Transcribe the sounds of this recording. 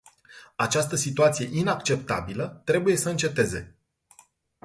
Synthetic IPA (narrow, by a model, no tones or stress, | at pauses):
at͡ʃast̪əsit̪uat̪sije̞ʔinakt͡ʃe̞p̚t̪a̰bilət̪ɾe̞buje̞səɨnt͡ʃe̞t̪e̞ze̞̰